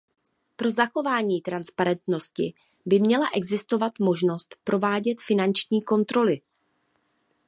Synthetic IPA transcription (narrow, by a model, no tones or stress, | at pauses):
pɾo̞zaxo̞vaːɲiːt̪ɾanspaɾɛnt̪no̞scɪ̰ | bɪmɲɛlaʔɛɡzɪst̪o̞vat̪mo̞ʒno̞st̪pɾʔo̞vaːɟɛt̪fɪnant͡ʃɲiːko̞nt̪ɾo̞lɪ